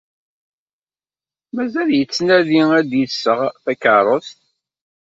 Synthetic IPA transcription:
mæzæljət͡sːnæðiæd̪jəsːəʁθækəɾˤəst̪

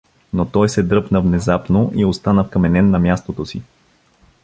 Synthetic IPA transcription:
not̪ɔjsɛd̪ɾɤpnəvnɛzapnoʔiost̪anəfkɐmɛnɛnːɐmjast̪ot̪osḭ

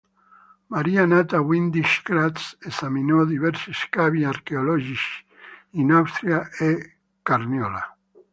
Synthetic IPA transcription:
maɾianat̪awind̪iʃkɾasesaminoðiβɛɾsiskaβiaɾkeolɔʒis | inawst̪ɾjaʔe | kaɾnjola

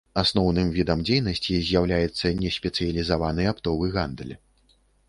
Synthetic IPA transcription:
asnɔwnɨmvʲid̪ɐmd͡zʲejnɐsʲt͡sʲizʲjawlʲajɛt̪sːɐnʲɛsʲpʲɛt̪sɨjɐlʲizavanɨjapt̪ɔvɨɣand̪lʲ

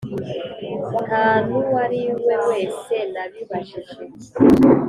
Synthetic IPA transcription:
kaːnuwaɾiwemwe̞ːse̞naβiβaʃiʒe

